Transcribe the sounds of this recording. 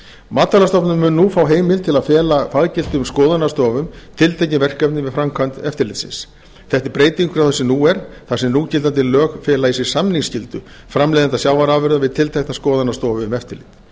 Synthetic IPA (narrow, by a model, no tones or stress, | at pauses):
maːt̪ːalast̪ɔpnʏmmʏnnufaːwɦeːjmɪlt̪ʰɪlaðfɛːlafaɣcɪl̥t̪ʏmskɔːðanast̪ɔːvʏmt̪ʰɪlt̪ʰejcɪvɛr̥kapnɪvɪðfɾamkʰant̪ɛft̪ɪɾlɪt̪sɪ̰ns | θɛht̪ɪɾpɾeːjt̪iŋkʏɾawθɛsɛmnuɛɾ̥θasɛmnucɪlt̪ant̪ʰɪllœːxfɛːlaisɪɾ̥samniŋscɪlt̪ʏ | fɾamlejðant̪asjaːwvaɾaːvɪɾðavɪðt̪ʰɪlt̪ʰajknaskɔːðanast̪ɔːvʏʏmɛft̪ɪɾlɪt̪